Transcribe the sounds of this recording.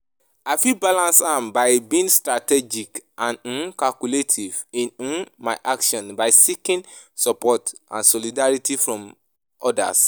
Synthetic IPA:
aɪfibalãnsãmbaɪbĩĩŋstɹatɛd͡ʒikʔãnɔ̃nkalkuletʰivĩnnmaɪʔakʃɔ̃nbaɪsikĩnsɔpɔtʔã̰nsɔlidaɹitifɹɔ̃m | ʔɔda̰s

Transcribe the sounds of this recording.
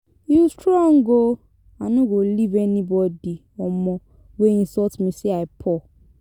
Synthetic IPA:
justɾɔ̃ŋɡo | anũɡolivɛnĩbɔdi | ɔmɔ̃ | weĩnsɔtmĩseaɪpʰɔ

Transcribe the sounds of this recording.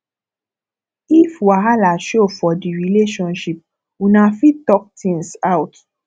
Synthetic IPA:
ifwaɦalaʃofɔdiɾileʃɔ̃nʃip̚ | unãfĩtɔk̚tĩŋsawt

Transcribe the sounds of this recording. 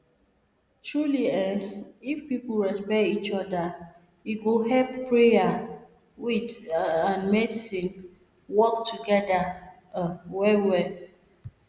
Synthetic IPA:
tɹuliɛifpiplɹɛspɛtit͡ʃɔda | iɡoɦɛlppɹea | witãnmɛdisĩn | wɔk̚tʰuɡɛda | wɛwɛ

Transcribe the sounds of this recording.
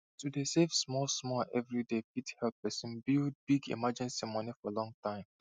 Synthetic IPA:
tudesefsmɔlsmɔʔɛvɹidefithɛl̚pɛsĩnbilˠd̚biɡḭmad͡ʒɛ̃nsimɔnifɔəlɔ̃ŋtʰãɪ̃m

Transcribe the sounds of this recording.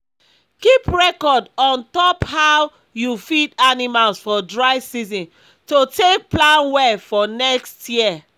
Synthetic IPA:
kipɹɛkɔdɔ̃ntɔphaw | jufidanimalsfɔdɹaɪsizɔ̃n | totek̚plãnwɛfɔnɛkstjiɛ

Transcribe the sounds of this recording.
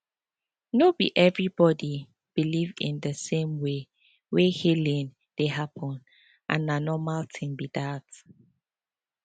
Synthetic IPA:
nobiʔɛvɹibɔdi | b̥ilivɪ̰̃ndəsẽmwe | wehilĩn | d̥eɦapʰɔ̃n | ʔã̰nanɔmaltʰĩnbidat

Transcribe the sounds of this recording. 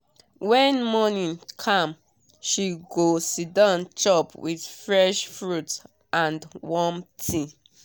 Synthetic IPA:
wɛ̃nmɔnĩnkʰãm | ʃiɡosidãnt͡ʃɔpwið̥fɹɛʃfɹut | ʔãndwɔmtʰi

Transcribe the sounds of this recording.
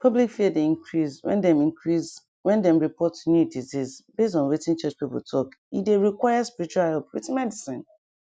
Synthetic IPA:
pʰʌblikfiədeĩŋkʰɹiswɛ̰̃ndɛ̃mĩŋkʰɹis | wɛ̃ndɛ̃mɹipʰɔtunudizizbestɔ̃nwetĩnt͡ʃʌt͡ʃpipə̰ltʰɔkideɹikwaɪjaspiɹit͡ʃualhɛlpwḛtĩnmɛdisĩn

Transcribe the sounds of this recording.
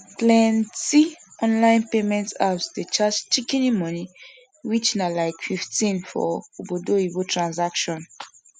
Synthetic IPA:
plɛ̃nti | ɔ̃nlãɪ̃npemɛ̃ntapsdet͡ʃat͡ʃt͡ʃikinimɔni | wit͡ʃnalaɪkfiftĩnfɔ̰obodoibotɹãnzakʃɔ̃n

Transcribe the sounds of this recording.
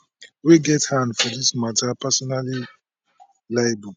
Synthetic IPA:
wiɡɛthãndfɔdismatʰapasɔnali | laɪbuk

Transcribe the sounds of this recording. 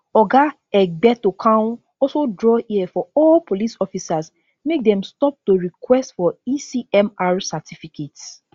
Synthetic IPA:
ɔɡa | ɛbɛtokʰã | ɔsodɹɔiɛfɔɔlpolisɔfisas | mek̚dɛ̃mstɔp̚toɹikwɛstfɔisiɛmaɹsatʰifikets

